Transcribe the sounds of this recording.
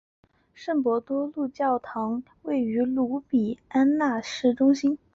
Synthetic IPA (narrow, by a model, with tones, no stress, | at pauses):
ʂə˥˩ŋpwɔ˧˥t̪wɔ˥lu˥˧t͡ɕjɑ˥˩ʊt̪ʰɑ˧˥ŋ | we˥˩ɪy˧˥lu˧˥pi˨˩a˥nna˥˧ʂɻ̩˥˩ʈ͡ʂʊ˥ŋɕi˥n